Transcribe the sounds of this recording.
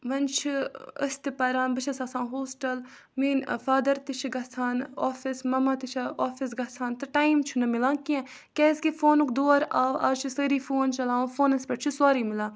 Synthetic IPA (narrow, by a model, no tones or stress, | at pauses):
ʋɐnt͡ʃʰiə̰st̪ipɐɾãːnbɐt͡ʃʰɐsaːsãːɦoːsʈɐl | miːnfaːd̪ɐɾt̪it͡ʃʰiɡɐsʰaːnoːfismɐmaːt̪it͡ʃʰaoːfis̬ɡɐsʰaːnt̪ɐʈaːimt͡ʃʰunɐmɪlãːkiã | keskifoːnukd̪oːɾaːʋa̰ːt͡ʃʰisəːɾiːfʰoːnt͡ʃɐlaːũfʰoːnɐspɐʈt͡ʃʰiswaːɾiːmɪlãː